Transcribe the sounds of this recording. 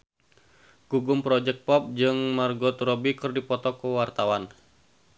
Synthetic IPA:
ɡ̥uɡʊmpɾɔd͡ʒɛk̚t̪̚pɔp̚d͡ʒɨŋmarɡɔt̪rɔbikɨrdipɔt̪ɔkuwart̪awan

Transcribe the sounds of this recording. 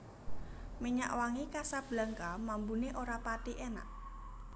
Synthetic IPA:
miɲa̰ʔwaŋikasab̥la̤ŋkamambuneʔoɾapat̪iʔɛna̰ʔ

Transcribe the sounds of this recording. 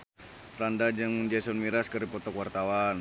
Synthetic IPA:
fɾandad͡ʒəŋmənd͡ʒasɔnmiɾaskəɾipɔt̪ɔkwart̪awan

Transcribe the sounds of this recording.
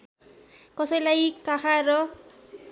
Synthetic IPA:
kʌsʌjlajkakʰaɾʌ

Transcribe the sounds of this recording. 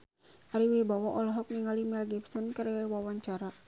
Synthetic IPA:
aɾiwibawɔʔɔlɔɦɔk̚niŋalimɛlɡɛpsɔnkəɾɛwawaɲt͡ʃaɾa

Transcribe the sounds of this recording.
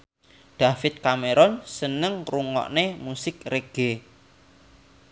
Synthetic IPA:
ɖ̪̥a̤fɪt̪̚kameɾɔnsənəŋruŋɔ̰ʔnemusɪkreɡ̥e

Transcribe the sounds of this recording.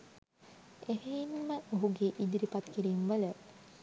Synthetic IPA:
eɦenməoɦuɡeʔid̪iɾipat̪kiɾiːmʋələ

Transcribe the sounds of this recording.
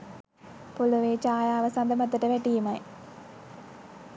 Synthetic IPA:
puluʋeːt͡ʃaːjaːʋəsand̪əmat̪ːəʈəʋæʈijemaj

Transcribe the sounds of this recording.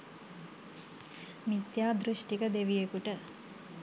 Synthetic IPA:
mit̪jaːd̪ɾuʂʈikɐd̪eʋijekuʈɐ

